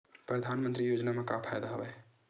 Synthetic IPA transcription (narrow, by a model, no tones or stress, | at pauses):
pɾəd̪ʱanmənt̪ɾijod͡ʒnamekapʰajd̪aɦəbɛ